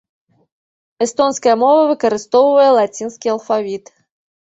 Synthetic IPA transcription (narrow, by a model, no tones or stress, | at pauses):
ɛst̪ɔnskɐjɛmɔvɐvɨkɐɾɨst̪ɔwvɐjɛlˠat͡sʲinskʲiɐlˠfavʲit̪